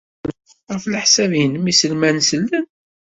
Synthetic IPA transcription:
ʁəfləħsævjənəmisəlmænsəlːən

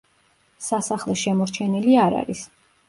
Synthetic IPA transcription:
sasaχlˠɛʃɛmɔɾt͡ʃʰɛniliaɾa̰ɾis

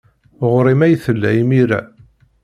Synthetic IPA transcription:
ʁɾˤimæjθəlːæimiɾæ̰

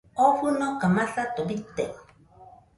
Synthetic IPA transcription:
ofunokamaɬat̪obit̪ːek

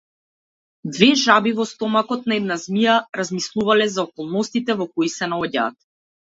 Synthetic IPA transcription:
d̪vɛʒabivɔst̪ɔmakɔt̪̚naɛd̪nazmijaɾazmislˠuvalɛzaɔkɔlˠnɔst̪it̪ɛvɔkɔisɛnaɔɟa̰ːt̪̚

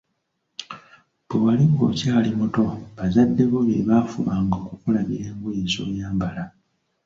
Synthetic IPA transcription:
bwewaliŋɡo̞̰caːlimuto̞βazadːe̞βo̞βeβaːfumaːŋɡo̞ːkukulamiɾe̞ːŋɡujizo̰ːjaːmbala

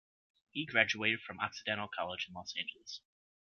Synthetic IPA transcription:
hiɡɹæd͡ʒʉeɪɾɨd̥fɹʌ̃maksɨdɛ̃ɾ̃l̩ˠkʰɑlˠəd͡ʒɨ̃n̩lɔsæ̃ɪ̃nd͡ʒəl̩ˠəz̥

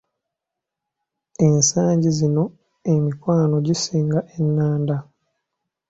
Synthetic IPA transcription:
e̞nsaːɲɟizino̞ | emikwaːno̞ɟisiːŋɡaʔenːaːnda

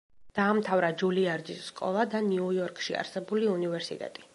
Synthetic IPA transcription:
d̪̥aːmt̪ʰavɾad͡ʒuliaɾd͡ʒ̪isːkʼɔ̰lˠad̪aniujɔɾkʼʃia̰ɾsɛbuliunivɛɾsḭt̪ʼɛ̰t̪ʼi̥

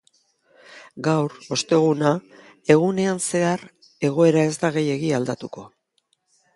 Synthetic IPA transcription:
ɡawɾo̞st̪e̞ɣ̞unae̞ɣ̞une̞anse̞aɾ | e̞ɣ̞o̞e̞ɾae̞zd̪aɣ̞e̞je̞ɣiald̪at̪uko̞

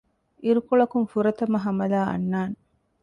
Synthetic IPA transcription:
ʔiɾukoɭɐkumfuɾɐt̪ɐmɐɦɐmɐlaːʔɐ̰nːaːn

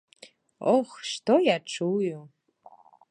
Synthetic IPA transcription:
oχʃtʰojaʈ͡ʂʰɨwjo

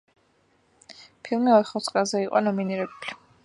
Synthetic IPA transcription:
pʰilˠmiɔt̪χɔt̪sʰʼχʼɾazɛiqʼɔnɔminiɾɛbuli

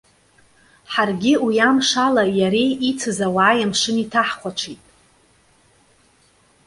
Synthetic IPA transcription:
ħarɡʲɪwijamʂalajaɾe̞jit͡sʰɨzawaːjamʂɨnitʰaħqʷʰaʈ͡ʂʷʰitʼ

